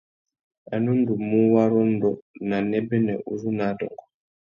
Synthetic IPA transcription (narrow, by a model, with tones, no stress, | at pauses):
a˨nu˦n̩˦du˨mu˦wa˦ɾɔ˦n̩˦dɔ˨na˨nɛ˦bɛ˦nɛ˨ʔu˨zu˦na˨˦dɔ̰˨ŋɡɔ˨